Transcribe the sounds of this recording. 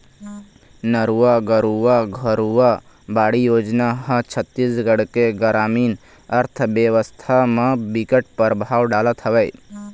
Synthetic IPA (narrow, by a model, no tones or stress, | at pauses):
nəɾuaɡəɾuwaɡʱəɾua | baːɽijoːd͡ʒnaɦə̃t͡ʃʰət̪ːisɡəɽkeɡəɾaːmiːn | əɾt̪ʰbjeʋəst̪ʰamãbikəʈ̚pəɾbʱaːwɖaːlət̪ɦəʋɛj